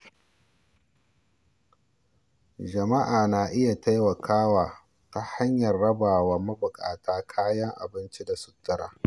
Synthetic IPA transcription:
d͡ʒɐ˨ma˦ʔaː˨naː˨ʔɪ˦ja˨ta˦jwɐ˨kʰaː˦waː˨ | ta˦ha˦ɲjɐ˨rːɐ˦baː˨waː˨mɐ˦bʊ˨kʼaː˨tʰaː˦kʰaː˦jɐ˦ŋʔa̰˨bɪ˦nt͡ʃi˦da˨sʊ˨tːʊ˦ɾa̰ː˨

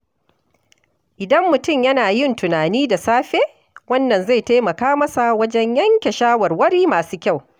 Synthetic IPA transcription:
ʔɪ˨dɐ˦mːʊ˨tʊ˦˨mjɐ˦naː˨jɪ˦˨ntʊ˨naː˨niː˦da˨saː˦ɸeː˦ | wɐ˦nːɐ˨nza˦˨jta˦mɐ˨kaː˦mɐ˦sa˨wɐ˦d͡ʒɛ˦ɲjɐ˦ŋkʲe˨ʃaː˦wɐ˨rwɐ˦ɽiː˦maː˨suː˦kʲa˦˨w

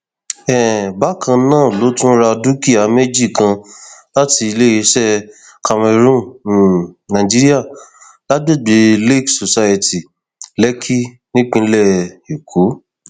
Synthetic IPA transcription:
ɛ˨ba˦kã˧nãː˦˨lo˨˦tũ˦ɾa˧du˦ki˦a˨˦me˦d͡ʒi˦˨kã˧la˦ti˧i˧le˦je˧˦ʃɛ˦˨ | ka˧me˧ɾũ˦˨ | nã˨d͡ʒi˦ɾi˦a˦˨ | la˦de˦˨ɡ͡be˨˧˦le˦˨kso˨sa˧je˨ti˨ | lɛ˦kʰi˦ | nĩ˦k͡pĩ˧˦lɛ˦˨i˨kʰo˨˦

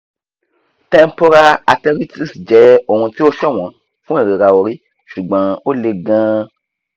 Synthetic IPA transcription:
tɛ̃˧m˦po˧ɾa˧a˧tɛ˧ɾi˦ti˦˨sd͡ʒɛ˨˦o˦˨hũ˧ti˦o˦ʃɛ˦˨w̃ɔ̃˨˦ | fũ˦e˦˨ɾe˨ɾa˧o˧ɾi˦ | ʃu˨ɡ͡bã˨˦o˦le˧ɡã˦

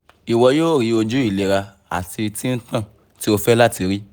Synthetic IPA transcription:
i˨wɔ˧joː˦˨ɾi˨˦o˧d͡ʒu˦i˦˨le˨ɾa˧ | a̰˨ti˧tĩ˦n̩˦tã˦˨ | ti˦o˧fɛ˦la˦ti˨˧ɾi˦

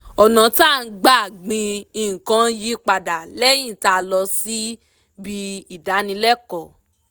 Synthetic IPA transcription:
ɔ˨nã˨ta˦˨˧ɡ͡ba˦˨ɡ͡bĩ˧ĩ˨kã˧˦ji˦k͡pa˨da˨lɛ˦j̃ĩ˦˨ta˦˨lɔ˧si˦ | bi˧i˨da˨˦nĩ˧lɛ˦kɔ˨

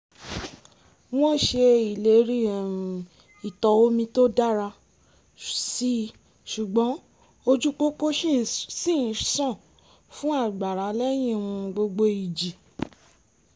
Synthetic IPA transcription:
w̃ɔ̃˦ʃe˧i˨le˨˦ɾi˦ɛ˨ɾũ˨ | i˨tɔ˨wo˦mĩ˧to˦da˦ɾa˧ | si˦ | ʃu˨ɡ͡bɔ̃˨˦ | o˧d͡ʒu˦ko˦ko˦ʃsĩ˦˨˧sɔ̃˦˨ | fũ˦a˦˨ɡ͡ba˨ɾa˨˦lɛ˦j̃ĩ˦wũ˧ɡ͡bo˧ɡ͡bo˧i˨d͡ʒi˨

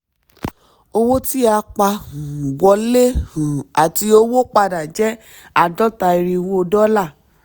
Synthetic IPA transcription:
o˧wo˦ti˦a˧k͡pa˧hũ˨wɔ˧le˦hũ˨a˨ti˧o˧˦wo˦k͡pa˧da˨d͡ʒɛ˨˦ | a˨dɔ˦ta˧i˧ɾi˧wo˦˧dɔ˦la˦˨

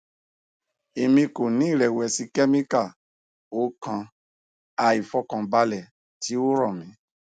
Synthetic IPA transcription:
e˨mĩ˧ko˨nĩ˨˦i˦˨ɾɛ˨wɛ˨si˧kɛ˦mĩ˦ka˦˨ | o˦kã˧ | a˧i˨fɔ˧kã˨ba˧lɛ˨ | ti˨˦o˦ɾɔ̃˦˨mĩ˨˦

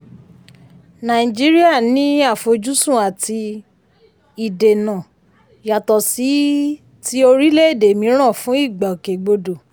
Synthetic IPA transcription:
nã˨i˨d͡ʒi˦ɾi˦a˦˨nĩ˦a˦˨fo˧d͡ʒu˦sũ˦˨a˨tʰi˧ | i˨de˨nã˨ | ja˨tɔ˨si˨˦ | ti˦o˧ɾi˦le˦e˦˨de˨mĩ˨˦ɾ̃ã˦˨fũ˨˦i˦˨ɡ͡ba˨o˨ke˨ɡ͡bo˧do˨

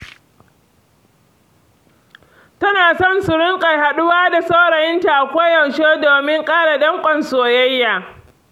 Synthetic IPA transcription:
tɐ˦naː˨sɔ˦˨nsʊ˨ɽʊ˦ŋkʼa˨jha˨ɗʊ˦waː˦da˨sa˦ɽɐ˨jɪ˦nta˨ʔa˨kʷa˦jɐ˨wʃeː˦doː˨mɪ˦ŋkʼaː˦ɽa˨dɐ˦ŋkʷʼɐ˨nsoː˨jɐ˦jːaː˨

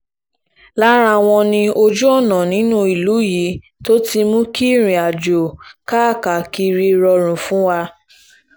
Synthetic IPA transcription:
la˦ɾa˧˨w̃ɔ̃˧nĩ˧o˧d͡ʒu˦ɔ˦˨nã˨nĩ˨˦nũ˦i˨lu˨˦ji˨˦ | to˦ti˧mũ˦ki˦˨ɾ̃ĩ˨a˨d͡ʒo˨ka˦˨ka˨ki˧ɾi˧ɾɔ˧ɾ̃ũ˨fũ˨˦wa˧

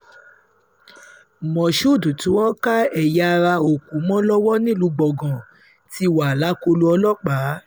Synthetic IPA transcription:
mɔ̃˨ʃu˦˨du˨tũ˨˦ɔ˦ka˦ɛ˨ja˧˨˧ɾa˧o˨kũ˨˦mɔ̃˦lɔ˦wɔ˦nĩ˦˨lu˨˦ɡ͡bɔ˨ɡã˨ | ti˧˦wa˨la˨˦ko˧lu˧˦ɔ˧lɔ˦k͡pa˨˦

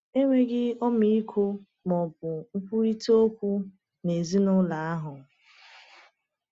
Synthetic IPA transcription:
e˦ŋʷe˦ɡɪ˦ɔ˦mi˦i˦kʰo˦ | mɔ˨b̚ʊ˨ŋ̩˦kʷu˦ɾi˦to˦kʷu˦ | ne˨zi˦nʊ˦la˨a˦ɦʊ˨

